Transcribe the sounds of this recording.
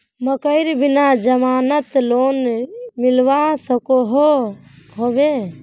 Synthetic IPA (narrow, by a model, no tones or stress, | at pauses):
məkəɪɾbinad͡ʒəmaːnət̪loːnmilʋasəkoɦoɦobe